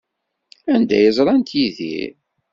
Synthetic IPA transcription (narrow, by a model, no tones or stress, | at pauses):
ænd̪æ̰jəzˤɾˤɑnt̪ʰjiðḭ